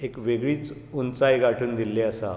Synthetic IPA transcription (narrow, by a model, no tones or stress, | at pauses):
ekʋeɡɭiːt͡s | unt͡sajɡaʈʰuːnd̪ilːeəsa̰